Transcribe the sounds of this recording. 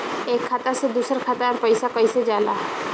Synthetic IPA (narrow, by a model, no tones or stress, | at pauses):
eːkʰːaːt̪əɾsed̪uːsəɾkʰaːt̪aɔɾpəɪsakɐɪsed͡ʒaːlaːɦ